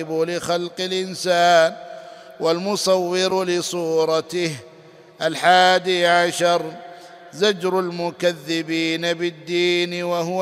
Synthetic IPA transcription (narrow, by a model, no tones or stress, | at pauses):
ɪbʊlɪxalqɪlʔɪnsaːn | walmʊsˤɑwːɪɾlɪsˤuːɾˤɑt̪ɪh | ʔalħaːd̪iʕaʃɑɾˤ | zad͡ʒɾalmʊkaðːɪbiːnabɪd̪ːiːnwahʊ